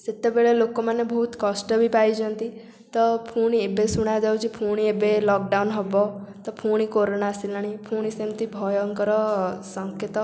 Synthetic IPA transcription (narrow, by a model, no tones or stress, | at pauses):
set̪ːebeɭelokomanebɔɦut̪kɔsʈəbʱipajid͡ʒə̃nt̪i | t̪ɔpʰuɽ̃iebesuɽ̃ad͡ʒ̪awt͡ʃipʰuɽ̃iebelɔk̚ɖaunɦɔbɔt̪ɔpʰuɽ̃ikoɾonasilaɽ̃ipʰuɽ̃isemt̪ibʱɔjɔŋkɔɾɔsɔŋket̪ɔ